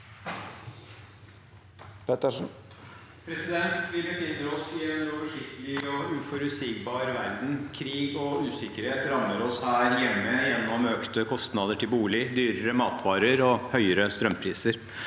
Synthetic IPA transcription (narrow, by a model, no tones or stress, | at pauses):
p̪ | pʰɾɛsɪd̪ɛnt̪ʋɪlbəfɪnːəɾɔsɪɛnoːʋəʂɪkt̪əlɪɔʉfɔɾʉsɪkbɑːɾʋæɾd̪n̩kʰɾiːɡɔʉːsɪkəɾheːt̪ɾɑmːəɾɔshæːɾjɛmːəjɛnːɔmøːkt̪əkʰɔst̪nɑːd̪əʈʰɪlbuːlɪd̪yːɾəɾəmɑːt̪ʰʋɑːɾəɾɔhœʏəɾəst̪ɾœmpʰɾiːsəɾ